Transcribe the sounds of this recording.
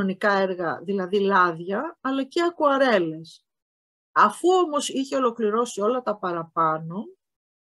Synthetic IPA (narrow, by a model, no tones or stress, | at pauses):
onikɐe̞ɾɣɐðilɐðilɐðʝɐːlɐceɐkuɐɾe̞le̞s | ɐfuo̞mo̞siçe̞o̞lo̞kliɾo̞sio̞lɐt̪ɐpɐɾɐpɐno̞